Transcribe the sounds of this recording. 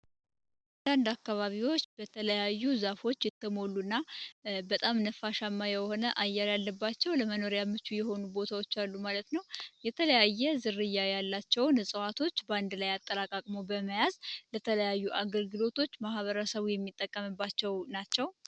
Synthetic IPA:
ʔ | nd̪and̪akːaβaβiwo̞t͡ʃːbət̪ʰələjajːuzafo̞t͡ʃːjɛt̪ːəmo̞lːunːabət̪ʼamnəfaʃamːajɛho̞nəʔajːaɾalːəbːat͡ʃːɛwləməno̞ɾjamːɨt͡ʃːujɛho̞nubo̞t̪ʰawo̞t͡ʃːalːumalət̪nəwjɛt̪ʰələjajːɛzɨrɨjːajalːat͡ʃːɛwnɨsʼəwat̪ʰo̞t͡ʃːband̪lajat̪ʼːəlakʼakʼmo̞bəməjazlət̪ʰələjajːuʔaɡəlɡɨlo̞t̪ʰo̞t͡ʃːmahβəɾəsəβujɛmːit̪ʼːəkʼːəmɨbːat͡ʃːɛwnat͡ʃːɛw

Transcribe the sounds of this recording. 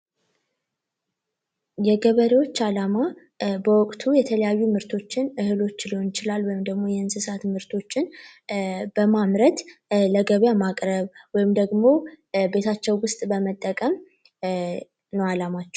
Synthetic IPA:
jɛɡəβəɾewo̞t͡ʃːalama | bəwɔkʼt̪ʰujɛt̪ʰələjajːumɨɾt̪ʰo̞t͡ʃːɪnɨhɨlo̞t͡ʃːliho̞nɪt͡ʃɪlalwɔjɪmd̪əɡmo̞jɛɨnsɨsat̪mɨɾt̪ʰo̞t͡ʃːɪn | b̥əmamɾət̪ləɡəβjamakʼɾəβwɔjɪmd̪əɡmo̞be̞t̪ʰat͡ʃːɛwwʊst̪ʼbəmət̪ʼːəkʼəm | nəwalamat͡ʃːɛ

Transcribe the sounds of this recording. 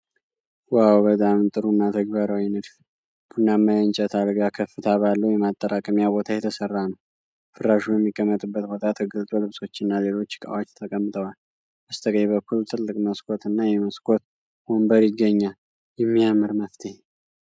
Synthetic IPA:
wawbət̪ʼamt̪ʼɨɾunːat̪ʰəɡ̚baɾawinɨd̪f | b̥ʰunːamːajənt͡ʃʼɛt̪ʰad̪ɡakʰəfɨt̪ʰaβalːəwjɛmat̪ʼːəɾakʼəmjabo̞t̪ʰajɛt̪ʰəsərːanəw | fɨɾːaʃujɛmːikʼːəmːət̪ʼɨbːət̪bo̞t̪ʰat̪ʰəɡəzt̪ʼolɨβso̞t͡ʃːɪnːaze̞lo̞t͡ʃːkʼa̰wat͡ʃːt̪ʰəkʼəmːɨt̪ʼəwal | ʔəst̪ʰəkʼəβəkʰːult̪ʰɨlːɨkʼməskʼo̞t̪ʰɨnːajɛməskʼot̪ | wombəɾjɪɡːəɲːal | jɛmːiamɨɾməft̪ʰe

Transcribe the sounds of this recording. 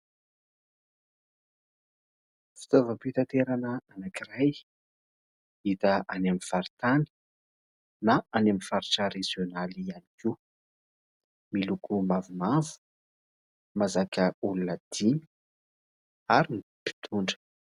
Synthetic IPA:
fi̥t̪ovəpit̪at̪eɾanəanakiɾaj | it̪aʔanamifaɾit̪ani̥ | naanamifaɾiʈ͡ʂəɾezjonalianikiu | milukumavumavu̥ | mazakəulunəd̪̥in | aɾinipi̥t̪ʰuɳɖ͡ʐə̥

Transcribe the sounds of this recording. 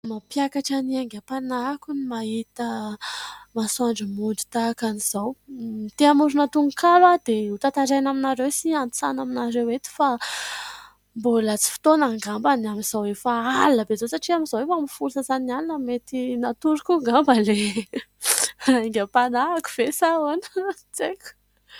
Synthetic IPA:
mapjakaʈ͡ʂaniaŋɡʲapanakunimaɦit̪ə | masuaɳɖ͡ʐimund̪i̥t̪akaniz̥awmit̪eamuɾunat̪uŋukalwad̪̥eut̪at̪aɾajnaminaɾewsianit͡sa̰naminaɾewet̪i̥fa | mbolət͡si̥fi̥t̪onaŋɡambanamiz̥awefaalnəbezosaʈ͡ʂiamizawefamifulusəzanalinəmet̪inat̪uɾukuŋɡambəle | aiɡʲəpanaaku̥v̥esaan | t͡seku̥

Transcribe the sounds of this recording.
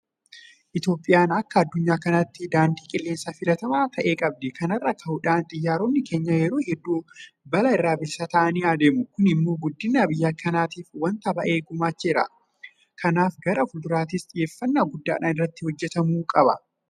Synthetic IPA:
ʔɪt̪jo̞ːpʼːɪjaːnɐkːɐɐd̪ːʊɲːaːkɐnɐt̪ːɪd̪aːnd̪iːkʼɪlːe̞ːnsafɪlɐt̪ɐmaːt̪ʰɐʔe̞ːkʼɐb̚d̪ɛkɐnɐrːɐkɐhʊᶑaːnt̪ʼɪjːaːɾoːnːɪke̞ːɲːɐjɛɾoːhɛd̪ːuːbɐlɐɪrːaːbɪlsaːt̪ɐʔɐniːaːd̪eːmʊkʊnɪmːo̞ːɡʊd̪ːɪnːaːbɪjːaːkʰːɐnaːt̪iːfwɐnt̪ɐbɐʔe̞ːɡʊmaːt͡ʃːɛɾɐ̰ | kʰɐnaːfɡɐɾɐfʊld̪ʊɾaːt̪ɪsᶑ̪ɪje̞ːfːɐnːaɡʊd̪ːa̰ːᶑaːnɪrːɐt̪ːɪhɔd͡ʒːɛt̪ɐmuːkʼɐbɐ

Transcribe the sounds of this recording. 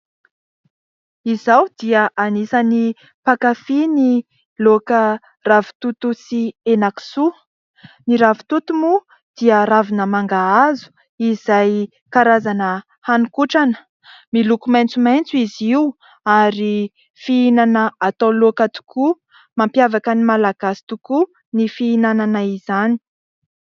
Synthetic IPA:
izawd̪iəʔanisəni | pakafini | lokə | ravu̥t̪ut̪usienaki̥su | niɾavi̥t̪ut̪umu | d̪̥iəɾavinəmaŋɡaazu̥ | izaj | kaɾazanə | hanukuʈ͡ʂanə̥ | milukumajnt͡sumajnt͡suiziu | aɾi | fiinanəat̪alokat̪u̥kʰu | mampjavakənimalaɡ̥asi̥t̪uku | nifiinananaizani̥

